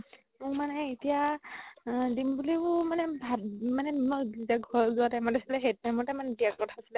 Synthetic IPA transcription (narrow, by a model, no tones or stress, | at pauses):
mʊmanɛetija | dimbuliʊmanɛbʱamanɛɔzizaɡʱɔɹzʊatajmatasilɛɦet̚najmɔtamanɛdiak̚ɔtʰaasilɛ